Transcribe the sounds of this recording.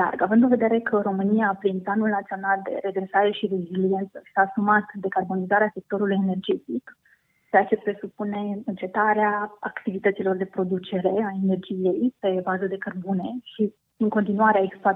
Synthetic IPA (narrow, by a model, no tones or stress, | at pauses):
la̰rɡavɨnd̪ɨnve̞d̪e̞ɾe̞kʰəɾo̞mɨnijaːplinplanulnat̪sionald̪e̞̰ɾe̞ɡɾe̞saɾe̞ʃire̞zilie̞nt̪səi̥saːsumat̪d̪e̞karbo̞nizaɾease̞k̚t̪o̞ɾulujene̞rd͡ʒe̞t̪ik | t͡ʃeat͡ʃe̞pɾe̞supune̞ɨnt͡ʃe̞t̪aɾeaa̰kt̪ivit̪ət̪silo̞rd̪e̞pɾo̞d̪ut͡ʃe̞ɾe̞ae̞ne̞rd͡ʒije̞jpe̞bazəd̪e̞kərbune̞ʃi | ɨŋko̞nt̪inuaɾeaekspa